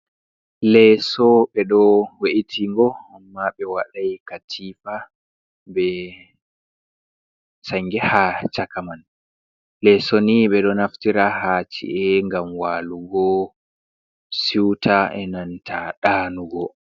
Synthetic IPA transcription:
lɛsɔɓɛɗɔweʔitʰiŋɡɔumːaɓɛwaɗajkatʰiːfa | bɛ | saŋɡɛhat͡ʃakaman | lɛsɔniɓɛɗɔnaftiɾahaːt͡ʃḭʔɛŋɡamwaːluɡɔ | siwtʰaɛ̰nantʰaɗaːnuɡɔ

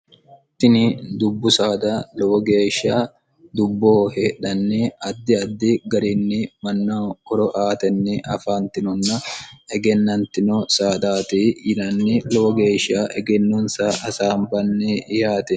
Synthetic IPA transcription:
t̪ɪnɪd̪ʊbːʊsaːd̪alɔwɔɡe̞ːʃaː | d̪ʊbːoːheːᶑɐnːɛɐd̪ːɪɐd̪ːɪɡɐɾɪnːɪmɐnːaːɔɾɔʔaːt̪ɛnːɪʔɐfaːnt̪ɪnɔnːɐɛɡɛnːɐnt̪ɪnɔsaːd̪aːt̪iːjɪnɐnːɪlɔwɔɡeːʃaːʔɛɡɛnːonsaːʔɐsaːmbɐnːɛɪhaːt̪ɛ

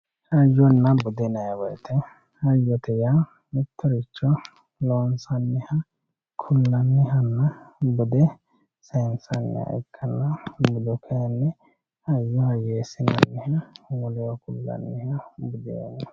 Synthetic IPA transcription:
ɐjːɔnːɐbʊd̪ɛnɐjɐwɔjt̪ʰɛ | ɐjːɔt̪ɛja | mɪt̪ʰːɔɾɪt͡ʃːɔ | loːnsɐnːɛhɐ | kʰʊlːɐnːɪɦɐnːɐbʊd̪ɛ | sɛnsɐnːɛ̰ɐ̰ɪkʰːɐlːɐbʊd̪ɔkʰɛjɐnːɛ | ɐjːɔhɐjeːsɪnɐ̰nːɛhɐwɔlɛwɐkʊlːɐ̰nːɪhɐbʊd̪ɛɐ̰nɐ

